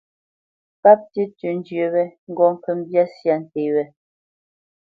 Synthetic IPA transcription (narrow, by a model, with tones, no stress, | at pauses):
pa˦p̚ti˦tʉ˨n˦d͡ʒɥə˨wɛ˦ŋ̩˦ɡɔ˨m˨pə˦˨m˦bja˦sja˦˨n̩˨te˨wɛ˦